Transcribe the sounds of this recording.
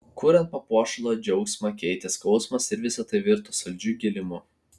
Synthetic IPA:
kuːɾʲɛnt̪̚pɐpuɔʃɐlˠoːd͡ʒʲɛʊksʲmɐkʲɛɪt̪ʲɛskɔʊsmɐsɪɾʋʲɪsɐt̪ɐɪʋʲɪɾt̪osɐlʲd͡ʒʲuɡʲɪlʲɪmʊ

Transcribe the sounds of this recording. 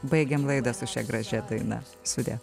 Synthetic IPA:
bɐɪɡʲɛmlˠɐɪd̪ɐsʊʃʲɛ̰ɡɾɐʒʲɛd̪ɐɪnɐ̰ | sʊd̪ʲḛː

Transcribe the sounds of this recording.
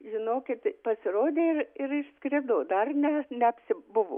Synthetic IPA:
ʒʲɪnoːkʲɪt̪pɐsʲɪɾoːd̪ʲeːɪrɪɾɪʃskɾʲɪd̪oːd̪ɐrnʲɛnʲɛɐpʲsʲɪbʊʋo̰ː

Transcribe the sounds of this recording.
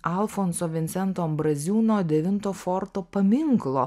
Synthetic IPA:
ɐlˠfoːnsoːʋʲɪnʲt̪sʲɛnt̪oːɐmbɾɐzʲuːnoːd̪ʲɛʋʲɪnt̪oːfoːɾt̪oːpɐmʲɪŋklˠoː

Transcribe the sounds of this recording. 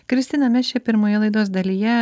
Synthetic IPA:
kɾʲɪst̪ʲɪnɐmʲɛʃʲepʲɪɾmoːjɛlˠɐɪd̪oːs̬d̪ɐlʲiːjɛ

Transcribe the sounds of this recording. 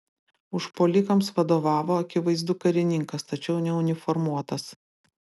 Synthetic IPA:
ʊʃpoːlʲɪkɐmsʋɐd̪oːʋɑːʋoːɐkʲɪʋɐɪzd̪ʊkɐɾʲɪnʲɪŋkɐst̪ɐt͡ʃʲɛʊnʲɛʊnʲɪfɔɾmuɔt̪ɐs

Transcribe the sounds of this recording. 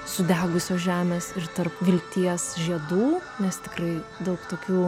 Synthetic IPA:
sʊd̪ʲæːɡʊsʲoːʒʲæːmʲeːsɪɾt̪ɐɾpʋʲɪlʲkt̪ʲiɛsʒʲiɛd̪uːnʲɛst̪ʲɪkrɐɪd̪ɐʊkt̪oːkʲuː

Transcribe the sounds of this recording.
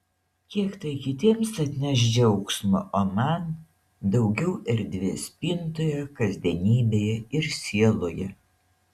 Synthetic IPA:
kʲiɛkt̪ɐɪkʲɪt̪ʲiːmsɐt̪ʲnʲɛʒʲd͡ʒʲɛʊksmʊʔoːmɐn | d̪ɒʊɡʲɛʊʔɛɾʲd̪ʲʋʲeːsʲpʲint̪oːjɛkɐzʲd̪ʲiɛnʲiːbʲeːjɛɪɾsʲiɛlˠoːjɛ

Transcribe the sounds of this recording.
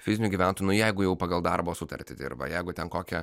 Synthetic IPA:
fʲɪzʲɪnʲʊɡʲiːʋʲæˑnt̪oːjnʊjɛɪɡʊjɛʊpɐɡɐlˠd̪ɐrboːsʊt̪ɐ̰ɾʲt̪ʲɪd̪ʲɪ̰rbɐ̰jɛɪɡʊt̪ʲɛnkoːkʲɛ

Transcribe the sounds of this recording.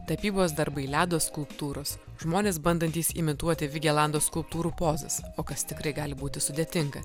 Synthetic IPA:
t̪ɐpʲiːboːs̬d̪ɐɾbɐɪlʲæːd̪oːsskʊlˠpt̪uːɾoːs | ʒmoːnʲeːsbɐnd̪ɐnʲt̪ʲiːsɪmʲɪt̪uɔt̪ʲɪʋʲɪɡʲɛlˠɑˑnd̪oːskʊlˠp̚t̪uːɾuːpoːzɐ̰soːkɐst̪ʲɪkɾɐɪɡɑːlʲɪbuːt̪ʲɪsʊd̪ʲeɛt̪ʲɪŋɡɐ

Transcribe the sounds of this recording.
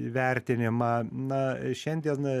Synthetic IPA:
ʋʲɛɾʲt̪ʲɪnʲɪmɑːnɐʃʲɛnʲd̪ʲiɛn

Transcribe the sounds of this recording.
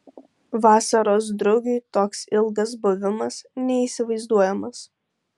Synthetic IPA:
ʋɑːsɐɾoːs̬d̪ɾʊɡʲuːt̪oːksɪlˠɡɐs̬bʊʋʲɪmɐsnʲɛiːˑsʲɪʋɐɪzd̪uɔjɛmɐs

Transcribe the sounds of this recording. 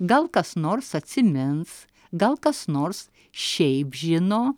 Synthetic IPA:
ɡɐlˠkɐsnoːrsɐt̪ʲsʲɪmʲɪns | ɡɐlˠkɐsnoːɾs | ʃʲɛɪpʒʲɪnoː

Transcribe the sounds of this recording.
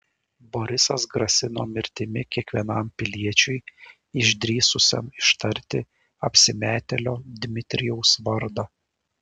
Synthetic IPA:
bɔɾʲɪsɐsɡɾɐsʲɪno̰ːmʲɪɾʲt̪ʲɪmʲɪkʲiɛkʋʲiɛnɐmpʲɪlʲiɛt͡ʃʲʊɪ | ɪʒʲd̪ʲɾʲiːsʊsʲɛ̰mɪʃt̪ɐɾʲt̪ʲɪ | ɐpʲsʲɪmʲæːt̪ʲɛlʲoːd̪ʲmʲɪt̪ʲɾʲɪjɛʊsʋɐɾd̪ɐ

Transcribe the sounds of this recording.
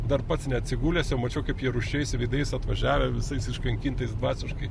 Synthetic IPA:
d̪ɐrpɐt̪snʲɛɐt̪ʲsʲɪɡuːlʲeːsjɛʊmɐt͡ʃʲɛʊkɐɪpjiɛɾʊʃʲɛɪsʋʲɛɪd̪ɐɪsɐt̪ʋɐʒʲæːʋʲɛʋʲɪsɐɪsɪʃkɐŋʲkʲiːnt̪ɐɪsd̪ʋɑːsʲɪʃkɐɪ

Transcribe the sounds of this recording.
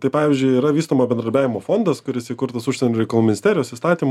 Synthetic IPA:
t̪ɐɪpɑːʋʲɪzʲd͡ʒʲʊɪiːɾɐʋʲiːst̪oːmɐsbʲɛnd̪ɐɾʲbʲæːʋʲɪmoːfoːnd̪ɐskʊɾʲɪsʲikʊɾt̪ɐsʊʃʲsʲɛnʲoːɾʲɛɪkɐlˠuːmʲɪnʲɪstʲeːɾʲɪjoːsist̪ɑːt̪ʲim

